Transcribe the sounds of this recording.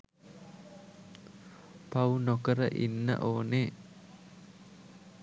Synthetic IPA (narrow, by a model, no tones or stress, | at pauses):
paunokəɾəʔinːə̰ʔoːne